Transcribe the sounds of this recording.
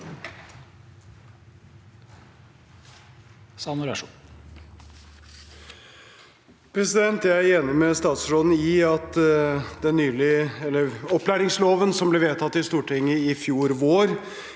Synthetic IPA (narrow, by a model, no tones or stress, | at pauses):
sɑnʊɾɑʂu | pʰɾɛsɪd̪ɛnt̪ææɾeːnɪmɛst̪ɑːt̪sʂoːd̪n̩ɪɑt̪d̪ɛnːyːlɪɛlːəɾɔplæːɾɪŋsloːʋənsɔmblɛʋeːt̪ʰɑt̪ːɪst̪uːʈʰɪŋːəɪfjuːɾʋoːɾ